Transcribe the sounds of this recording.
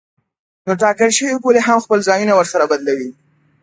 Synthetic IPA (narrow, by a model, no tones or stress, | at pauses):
noʈɑkəlʃəwiboleɦamxpəlzɑjunawəɾsaɾabad̪lawi